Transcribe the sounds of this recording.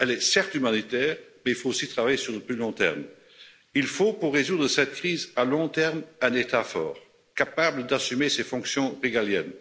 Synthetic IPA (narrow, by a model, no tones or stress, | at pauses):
ɛlɛsɛʁt̪ymanit̪ɛːʁmɛilfoosit̪χavajesyʁləplylɔ̃t̪ɛ̰ʁm | ilfopuʁːezud̪ʁəsɛt̪̚kχiːzalɔ̃t̪ɛʁmɛ̃net̪afɔ̰ːʁ | kapabləd̪asymesefɔ̃ksjɔ̃ʁeɡaljɛn